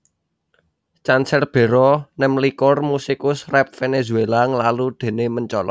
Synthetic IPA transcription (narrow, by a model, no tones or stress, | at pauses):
t͡ʃansɛrb̥e̤ɾɔnɛmlikʊrmusikʊsrɛp̚fenezuelaŋəlalud̪̥e̤neməɲt͡ʃɔlɔ̰